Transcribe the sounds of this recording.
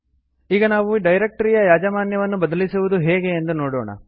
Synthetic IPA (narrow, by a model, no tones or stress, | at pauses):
iːɡɐnaːʋuɖɐjɾek̚ʈɐɾijɐjaːd͡ʒɐmaːnjɐʋɐnːubɐd̪ɐlisuʋud̪uɦɛːɡe̞ːnd̪unoːɽoːɳɐ̰